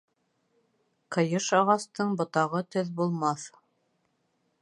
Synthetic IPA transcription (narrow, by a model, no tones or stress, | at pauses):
qɤ̆jɤʃɑʁɑst̪ɤɴbŏt̪ɑʁɤt̪ɵðbulˠmɑθ